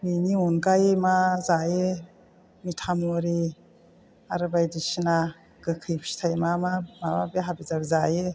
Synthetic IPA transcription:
bɯniunɡajmazaje | mitʰamɔɾi | aɾɯbajdisina | ɡ̥ɯkʰɯjpʰsi̥tʰajmamamababeɦabizakzaje

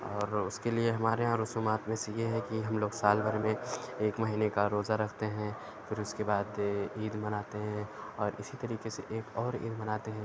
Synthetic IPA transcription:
ɔːɾʊskelieɦɐmaːɾeɦãɾʊsuːmaːt̪mẽsejeɦɛkiɦɐmloːɡsaːlbʱɐɾmẽeːkmɐɦiːnekaɾoːzaɾɐkʰt̪eɦɛ̃ | fɪɾʊskebaːd̪iːd̪mɐnaːt̪eɦɛ̃ɔːɾɪsit̪ɐɾiːkeseʔeːkɔːɾḭːd̪mɐnaːt̪eɦɛ̃

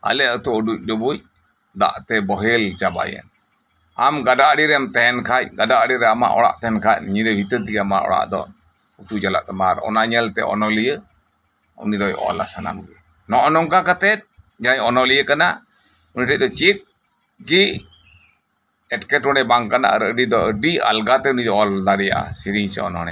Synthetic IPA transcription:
a̰lɛət̪ɔɔɖuc̚ˀdɔbuc̚ | d̪a̰ʔt̪ɛbɔɦɛlt͡ʃaba̰jɛ̰n | amɡadaɽiɾɛamt̪ɛɦɛnkʰac̚ɡadaʔɽiɾɛama̰ʔɔ̰ɽa̰ʔt̪ɛɦɛnkʰac̚ɲid̪ɛbʱit̪ət̪iɡama̰ʔɔ̰ɽa̰ʔd̪ɔ̰ | ut̪ud͡ʒala̰ʔt̪ɛmaɾɔ̰naɲəlt̪ɛ̰ʔɔ̰nɔlijə | ṵnid̪ɔjɔ̰ɔ̰la̰sana̰mɡɛ | nɔʔɔnɔŋkakat̪ɛt̪̚ | ɲaaɲɔnɔlijəkanaʔ | uniʈəc̚ˀd̪ɔt͡ʃit̚ | ɡi | ɛʈkɛʈɔnɛbaŋkana̰ʔə̰ɾəɖid̪ɔʔəɖia̰lɡat̪ɛunid̪ɔɔlːaɾɛja̰ʔa̰siɾiɲsɛ̰ɔ̰nɔ̰nɛ̰

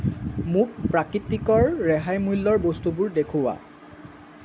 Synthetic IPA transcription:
muk̚pɹakɹitikɔɹːɛɦajmulːɔɹbostubʊɹdekʰuwa̰

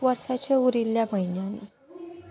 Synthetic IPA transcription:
ʋəɾsat͡ɕeuɾiljabʱəjnjanḭ

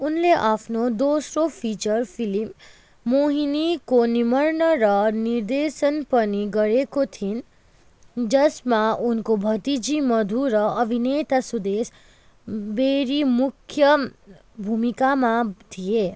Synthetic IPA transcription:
unleʔapʰnod̪osɾopʰit͡ʃʌɾpʰilimː | oɦinikonimʌɾnʌɾʌniɾd̪esənpʌniɡʌɾekot̪ʰin | d͡ʒʌsmaunkobʱʌt̪id͡ʒimʌd̪ʱuɾʌːbʱinet̪asud̪es | beɾimukʰjʌ | bʱumikamat̪ʰije

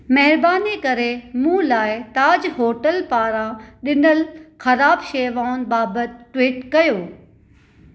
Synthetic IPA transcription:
mɐɦɪɾbaːnikɐɾemũːlaːɪt̪aːd͡ʑɦoːʈəlpaːɾãɗɪnəlxɐɾaːbʃeːʋaːʊn̆baːbət̪̚ʈʋiːʈkɐjoː

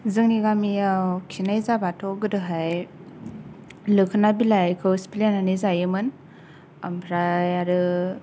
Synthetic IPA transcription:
zɯŋniɡamijawkʰinajzabatʰɔɡɯdɯɦaj | lɯkʰɯnabilajkʰɯwspilananizajɯmɯn | ambʰɾajaɾɯ

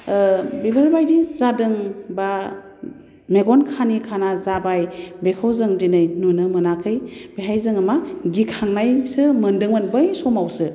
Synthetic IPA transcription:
bibʱaɾbajdizadɯŋba | meɡɔnkʰanikʰanazabajbekʰawzɯŋdinɯjnunɯmɯnakʰɯjbeɦajzɯŋɯmaɡikʰaŋnajsɯmɯndɯŋmɯnbɯjsɔmawsɯ

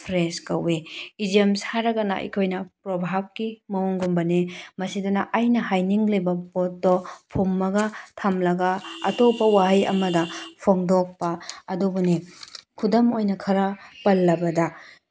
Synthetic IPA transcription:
pʰɾeskɐweid͡ʒiɐmsaɾɐɡɐnɐ̰ʔḭkʰojnɐpɾobʱab̚kimɐoŋɡumbɐnemɐsidunɐʔajnɐɦajniŋlibɐbot̚dɔpʰumːɐɡɐtʰɐmlɐɡɐɐ̰topːɐwaɦajɐ̰mɐdɐpʰoŋdok̚pɐːdubunikʰudɐmojnɐkʰɐɾɐpɐlːɐbɐdɐ

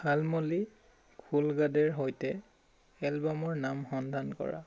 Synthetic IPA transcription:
halmoli | kʰulɡadɛɹɦojtɛ | ɛlbamɔɹnamxɔndʱankɔ̰ɹa̰

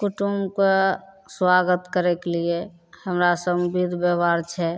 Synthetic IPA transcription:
kuʈumke | swaɡət̪kəɾekelie | həmɾasəbbid̪ʱbəʋaɾt͡ʃʰɛ

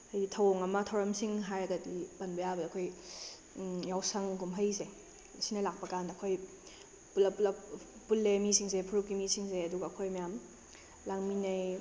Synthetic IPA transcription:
hajɡitʰɐwoŋɐmɐtʰɐwɾɐmsiŋɦajɐɡɐdibɐnbɐjabɐdaɐkʰoj | jawsɐŋɡumɦɐjse | sinɐlak̚pɐkandɐɐkʰoj | pulɐpulɐ | pulːemisiŋs̬epʰuɾukːimisiŋseɐduɡɐːkʰojmɐjam | laŋminɐj

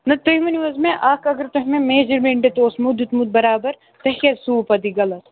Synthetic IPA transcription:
nɐt̪oɦmɐniʋɐzmẽʔaːkɐɡɐɾt̪oɦmẽmeːd͡ʒɐɾmẽːɳɖet̪oːsmud̪it̪mud̪̚bɐɾaːbɐɾ | t̪ɐɦɐsuːpɐd̪iɡɐlɐt̪

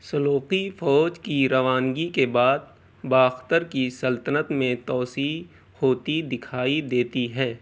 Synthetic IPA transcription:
sɐloːqifɔːd͡ʒkiɾɐʋaːnɡikebaːd̪̚ | baːxt̪əɾkisɐlt̪ənət̪mẽt̪ɔːsi | hoːt̪id̪ɪkʰaːid̪eːt̪iɦɛː

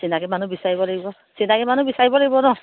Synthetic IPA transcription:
sinaɡɛmanubisaɹibɔlaɡibɔ | sinakɛmanubisaɹibɔlaɡibɔnɔ

